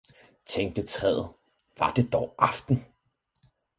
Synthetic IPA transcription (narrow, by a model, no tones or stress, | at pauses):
t͡sʰeŋ̰d̥ət͡sʰʁɛːð̰ð̩ˠ | ʋɑ̈d̥e̝d̥ɒʊʔɑfd̥n̩